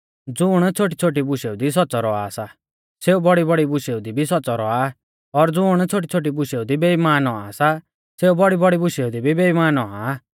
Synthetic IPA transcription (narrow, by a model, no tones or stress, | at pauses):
d͡zʊːɽ̃t͡sʰoːʈ̬it͡sʰoːʈ̬ibʊʃeud̪is̬ɔt͡sɔɾɔa̰sa | seːubɔɽibɔɽibʊʃeud̪ibʱisɔtːt͡sɔɾɔa | ɔɾd͡zʊːɽ̃t͡sʰoːʈ̬it͡sʰoːʈ̬ibʊʃeud̪ibeimaːnɔasa | seːubɔɽibɔɽibʊʃeud̪ibʱibeimaːnɔa̰